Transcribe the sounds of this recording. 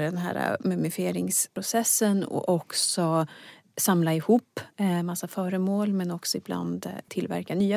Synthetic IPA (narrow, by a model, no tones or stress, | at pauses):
ɖɛnɦæ̰ːɾa̰mɵmɪfɪeːɾɪŋspʰɾʊsɛsːənɔ̰ʔɔksɔ | samlaɪhuːpːmasːafœːɾəmoːlmɛnɔksɔɪbla̰nd̪t̪ʰːɪlvæ̰ɾkanyːa